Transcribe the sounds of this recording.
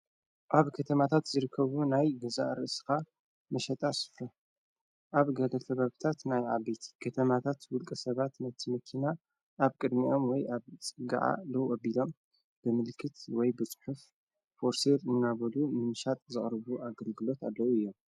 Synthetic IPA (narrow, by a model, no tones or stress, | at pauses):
ʔaβkʰɐt̪ʰɐmat̪ʰat̪zɨɾɨkʰːɐβunajɡɐza̰ʔɾɨʔsɨ̥ka | mɐʃɐt̪ʼasfɐ | ʔaβɡɐlɐt̪ʰɐβaβɨt̪ʰat̪najʕabet̪ʰi̥kʰɐt̪ʰɐmat̪ʰat̪wʊlkʼɐsɐβat̪mɐt̪ʰːɨmɐkʰina | ʔːβkʼɨd̪miʔo̞mwɔjʔaβt͡sʼɨɡa̰ʕa̰lɐwʔɐbilo̞m | b̥ɨmɨlkʰːɨt̪wɔjbɨt͡sʼɨ̥ħuf | fo̞ɾseɾɨnːaβɐlumɨnʃat̪ʼzɨχʼɾɨβuʔaɡɐlɡɨlo̞t̪alːɐwuɨjːo̞m